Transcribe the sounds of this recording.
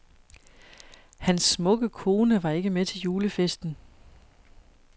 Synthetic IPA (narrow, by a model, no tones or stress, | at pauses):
hænsːmɔ̽ɡ̥əkʰo̝ːnəʋɑ̈e̝ɡ̥əmet͡sʰe̝ljuːləfesd̥n̩